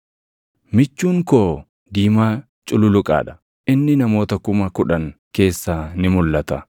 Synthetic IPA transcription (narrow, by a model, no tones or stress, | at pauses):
mɪt͡ʃːuːŋkoː | d̪iːmaː | t͡ʃʼʊlʊlʊkʼa̰ːᶑɐ̥ | ʔɪnːɪnɐmo̞ːt̪ɐkʊmɐkʊᶑɐŋ | ke̞ːsːaːnɪmʊlːɐt̪ɐ